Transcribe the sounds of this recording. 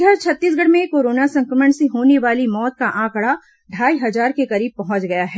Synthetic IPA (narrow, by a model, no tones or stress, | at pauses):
ɡʱɐɾt͡ʃʰɐt̪ːiːsɡʱɐɽ̤mẽkoːɾoːnasɐ̃ŋkɾəməɳsiɦoːneʋaːlimɔːt̪̚kaʔãːkɽa | ɖʱaːiɦɐzaːɾkekɐɾiːb̚pɐɦʊ̃t͡ʃɡɐjaɦɛː